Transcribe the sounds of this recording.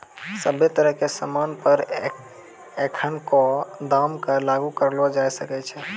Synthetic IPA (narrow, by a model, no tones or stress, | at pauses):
səbet̪əɾəɦkesəmanpəɾ | ekʰənkod̪amkəlaɡukəɾlɔd͡ʒajsəkɛt͡ʃʰɛ